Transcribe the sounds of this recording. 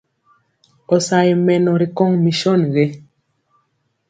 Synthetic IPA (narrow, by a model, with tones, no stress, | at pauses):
ɔ˨sa˨i˨mɛ˨nɔ˨ɾi˨kɔ˦ŋmi˨ʃɔ˦˨nɣe˦